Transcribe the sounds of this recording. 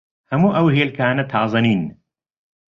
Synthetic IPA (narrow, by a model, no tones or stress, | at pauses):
hɐmuːʔɐwheːlkʰaːnɐt̪ʰɑːzˤɐniːn